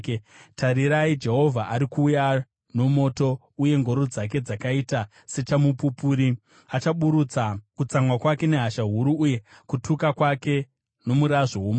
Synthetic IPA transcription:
taɾiɾaid͡ʒe̞ɦo̞vʱaʔaɾikuːja | no̞mo̞ːto̞ | uje̞ŋɡo̞ɾod͡zak̬e̞d͡zakaita | se̞t͡ʃamupupuɾi | at͡ʃaɓuɾut͡sakut͡samwakwake̞ne̞ɦaʃaɦuɾuːje̞kutʰukakwake̞ | no̞muɾaʐowomo

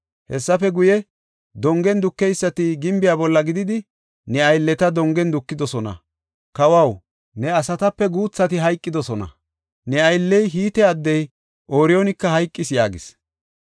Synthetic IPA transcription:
hɛ̰sːɐfɛɡʊjɛ | d̪ɔŋɡɛnd̪ʊkːɛjsːɐt̪ɪɡɪmbɪjaːbɔlːɐɡɪd̪ɪd̪ɪ | nɛɐjlːɛt̪ɐd̪ɔŋɡɛnd̪ʊkːɪd̪ɔsɔnɐ̰ | kɐwɐw | nɛɐsɐt̪ɐpːɛɡuːt͡sːɐt̪ɪɦɐjkʼːɪd̪ɔsɔnɐ̰ | nɛɐjlːɛjɦiːt̪ɛɐd̪ːɛj | ʔoːɾɪonɪkːɐhɐjkʼːɪsjaːɡɪs

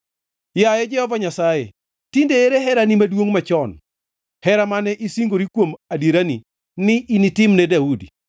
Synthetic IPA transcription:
jajɛd͡ʒɛhɔvaɲasajḛ | tindeeɾeɦɛɾanimadwoŋmat͡ʃɔn | hɛɾamanɛʔisiŋɡoɾikwomadiɾani | nɪʔinitɪmnɛdaudḭ

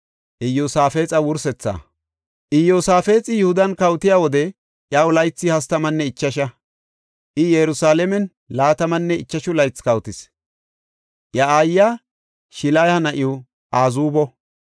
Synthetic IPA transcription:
ʔɪjːosaːfe̞ːt͡sʼɐwʊɾsɛt͡sːa̰ː | ʔɪjːosaːfe̞ːt͡sʼɪjʊhʊd̪ɐnkɐwt̪ɪjaːwɔd̪ɛ | ʔjɐwʊlɐjt͡sːɪhɐst̪ɐmɐnːɛɪt͡ʃːɐʃɐ | ʔɪjɛɾʊsaːlɛmɛn | laːt̪ɐmɐnːɛɪt͡ʃːɐʃʊlɐjt͡skɐwt̪ɪs | ʔjɐaːjːa | ʃɪlajhɐnɐʔɪʊ | ʔaːzuːbɔ

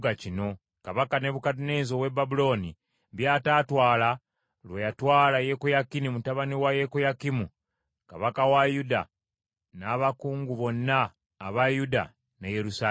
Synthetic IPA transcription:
ɡacino̞ | kaβakane̞βukatune̞ːnzo̞webabulo̞ːni | bjaːtaːtwaːla | lwejatwaːlaje̞kujakinimutaβaniwajekujakimu | ka̰βakawajuda̰ | naːβakuːŋɡuβo̞nːaː | βajuda̰ | nejeɾusa

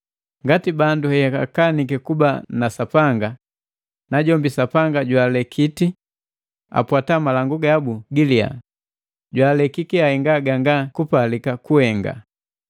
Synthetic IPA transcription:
ŋɡatibanduhɛjaka̰kanik̬ɛkubanasapaŋɡa | naɟɔmbisapaŋɡaɟwaːlɛkʰiti | a̰pwatamalaŋɡuɡaabuɡilia̰ | ɟwaːlɛkikiahɛŋɡaɡaŋɡakupalikakuhɛŋɡa̰

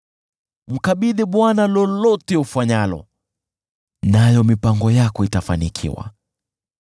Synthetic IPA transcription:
m̩kaɓiɗɛɓwanalɔlɔtɛufaɲalɔ̰ | najɔmipaŋɡɔjakɔitafanikʰḭwa̰

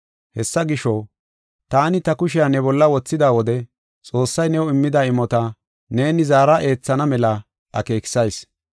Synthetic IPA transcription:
hɛsːɐɡɪʃɔ | t̪aːnɪt̪ɐkʊʃɪjanɛbɔlːɐwɔt͡sːɪd̪aːwɔd̪ɛ | t͡sʼo̞ːsːɐjnɛwɔɪmːɪd̪aɪmːɔt̪ɐ | ne̞ːnɪzaːɾɐʔe̞ːt͡sːɐnɐmɛlɐ | ʔɐke̞ːkɪ̥sɐjs

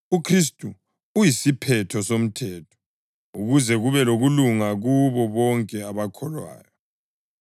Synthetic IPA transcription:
ukʰris̬tʼu | ujisipʰɛtʰɔsom̩tʰɛːtʰɔ̥ | uɣuzɛɣuβɛloɣuluŋaɣuβɔβɔŋkʼɛaβakʰɔlwa̰ːjɔ

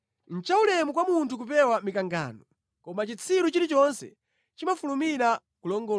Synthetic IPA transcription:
n̩t͡ʃaulɛmukwamuntʰuk̬upɛwamikaŋɡa̰ːnɔ | kɔmat͡ʃit͡sʰiɾut͡ʃiɾit͡ʃɔnsɛ̰ | t͡ʃimafulumiɾa | kulɔŋɡɔ

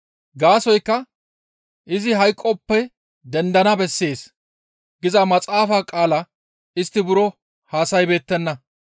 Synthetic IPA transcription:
ɡaːsɔjkːɐ | ʔɪzɪɦɐjkʼːɔpːɛ | d̪ɛnd̪ɐnɐbɛsːe̞ːs | ɡɪzɐmɐt͡sʼaːfaːkʼaːlɐ | ɪst̪ːɪbʊɾɔ | haːsɐjbe̞ːt̪ːɛnːɐ

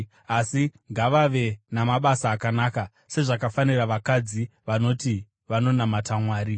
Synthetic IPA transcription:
asiŋɡaʋaʋe̞namaɓasaːkanaːka | se̞ʐakafaniraʋakad͡ziʋano̞ti | ʋano̞namatamwaːɾi

